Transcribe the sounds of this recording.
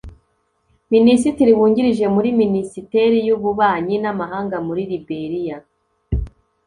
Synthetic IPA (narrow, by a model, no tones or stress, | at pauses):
minisitiɾiβuːɲɟiɾiʒe̞muɾiminisite̞ɾijuβuβaːɲinamaɦaːŋɡamuɾiɾibe̞ɾija